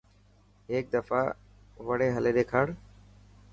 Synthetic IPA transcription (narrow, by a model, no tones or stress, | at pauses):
ɦeːk̚d̪əfaː | ʋəɽeːɦəleːɗ̪eːkʰaːɽ